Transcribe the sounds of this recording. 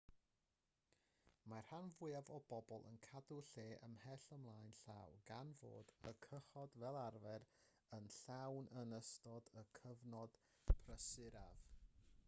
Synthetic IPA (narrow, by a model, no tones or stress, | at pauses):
mar̥hanvʊɨavɔbɔbɔlˠə̰nkʰadʊɬeːʔəmhɛɬəmlˠaːjnɬa̰wɡanvo̰ːdəkʰəχɔdvɛlˠarvɛɾ | ənɬawnənəstɔdəkʰəvnɔd̥ | pʰrəsɪɾav̥